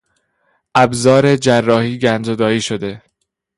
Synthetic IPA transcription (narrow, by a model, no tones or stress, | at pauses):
ʔæbzɒːɾe̞d͡ʒærːɒːhiːɟænd͡ʒod̪ɒːiːʃod̪e̞